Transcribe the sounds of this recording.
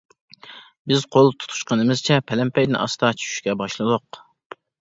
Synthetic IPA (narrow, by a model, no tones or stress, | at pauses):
bɪz̥qʰolˠt̪ʰu̥t̪ʰu̥ʃqənɨmɪz̥t͡ʃʰɛpʰɛlɛmpʰɛjd̪ɪnɑ̰sd̪ɑt͡ʃʰy̥ʃy̥ʃkʲɛbɑʃlˠɨd̪oq